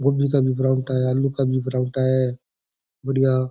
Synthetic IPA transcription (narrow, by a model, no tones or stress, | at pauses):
ɡobikabʱibɾaʊɳʈaeɐlːukabʱibɾaːʊɳʈaɦe | bəɽija